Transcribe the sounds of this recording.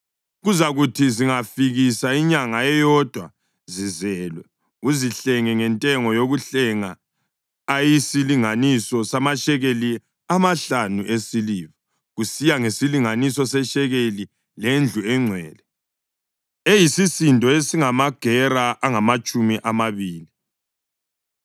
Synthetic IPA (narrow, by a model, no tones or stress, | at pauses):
ɣuzaɣutʰiziŋafiɣisaiɲaŋaɛjɔd̥ʱwa | zizɛːlwɛ | uziɬɛŋɛŋɛntʼɛŋɔjoɣuɬɛŋaː | jisiliŋanisɔsamaʃɛɣeli | amaɬanuʔesiliːβɔ | ɣusijaŋesiliŋanisɔsɛʃɛɣeli | lend͡ɮʱuɛŋ͡ǀʱwɛːlɛ | ejisisintʼɔesiŋamaɡ̥ʱɛraʔaŋamat͡ʃʼumiʔamaβiːli